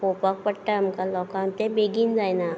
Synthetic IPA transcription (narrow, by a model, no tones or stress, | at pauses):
oːpak̚pəʈːaɐmkalɔːkaːmt̪ebeːɡinzaːjna